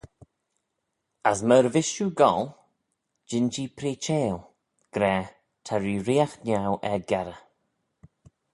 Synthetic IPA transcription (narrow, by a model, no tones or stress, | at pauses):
asməɾvɪʃuɡɔl | d͡ʒɪnd͡ʒiːpʰɾiːt͡ʃeːlˠ | ɡ̥ɾɛː | tʰaɹiːɾiːaxnawʔɛɡɛɾə